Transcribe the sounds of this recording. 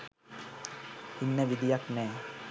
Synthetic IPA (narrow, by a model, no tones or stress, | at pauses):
inːəʋid̪ijaknɛː